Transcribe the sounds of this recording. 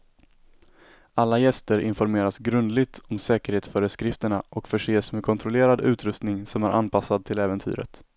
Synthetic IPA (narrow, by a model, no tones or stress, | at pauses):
alːajɛst̪əɾɪnfɔɾmeːɾasɡɾɵnd̪lɪɡ̚t̪ʰɔmsɛːkəɾheːt̪sfœːɾəskɾɪft̪əɳaʔɔkfœʂeːsmɛkʰɔnt̪ɾɔleːɾad̪ʉ̟ːt̪ʰɾɵst̪nɪŋsɔmæɾʔa̰npʰasːad̪̚t̪ʰɪlɛːvənt̪ʰy̰ːɾə̰t̪